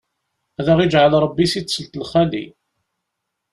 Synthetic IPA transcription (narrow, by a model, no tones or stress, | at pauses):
æðaʁid͡ʒʕəlɾˤəbːisit͡sːsəlt̪əlχælḭ